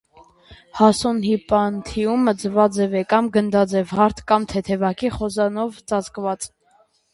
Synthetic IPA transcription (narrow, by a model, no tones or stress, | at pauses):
hɑsɔnhipɑnt̪ʰiumːəd͡zəvɑd͡zɛvɛkɑmɡənd̪ɑd͡zɛvhɑɾt̪ʰkɑmt̪ʰɛt̪ʰɛvɑkiχɔzɑnɔvt͡sɑt͡skvɑt͡s